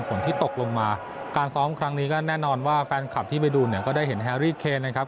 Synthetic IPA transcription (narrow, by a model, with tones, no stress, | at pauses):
nfo˩˦nt̪iː˥˩t̪o˨˩k̚lo˧ŋmaː˧ | kaː˧nsɔː˦˥mkʰɾa˦˥ŋniː˦˥kɔː˥˩nɛː˥˩nɔː˧nwaː˥˩fɛː˧nkʰa˨˩p̚t̪ʰiː˥˩pa˧jduː˧ni˦˥˩kɔː˥˩daː˥˩jɦe˩˦nɦɛː˧ɾiː˥˩kʰeː˧na˧kʰa˦˥p̚